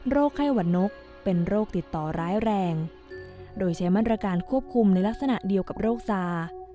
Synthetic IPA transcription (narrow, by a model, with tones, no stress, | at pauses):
ɾoː˥˩kʰːa˥˩jwa˨˩nno˦˥k̚ | pe˧nɾoː˥˩k̚t̪i˨˩t̪ːɔː˨˩ɾaː˦˥jɾɛː˧ŋ | doː˧jt͡ɕʰa˦˥jmaː˥˩t̪ɾa˧kaː˧nkʰu˥˩əp̚kʰu˧mna˧jla˦˥k̚sa˧na˨˩di˧əwka˨˩p̚ɾoː˥˩k̚saː˧